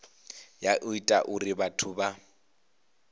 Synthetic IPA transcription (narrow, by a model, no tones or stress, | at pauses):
jaʔʊitʼa̰ʔʊrɪbatʰʊba